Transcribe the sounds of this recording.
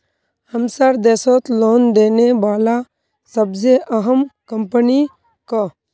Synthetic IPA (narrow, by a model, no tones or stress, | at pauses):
həmsaɾd̪eːsot̪loːnd̪eːneʋaːla | səbzeʔəɦəmkəmpəni | ka